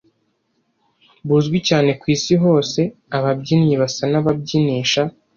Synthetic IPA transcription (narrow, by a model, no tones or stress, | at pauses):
buzɡwicaːne̞kwiːsiɦo̞ːse̞ | aβabɟiniβasanaβab̚ɟiniːʃa